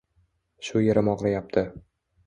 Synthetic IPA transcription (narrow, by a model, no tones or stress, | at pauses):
ʃʊjeɾɪmɒʁɾajap̚t̪ʰɪ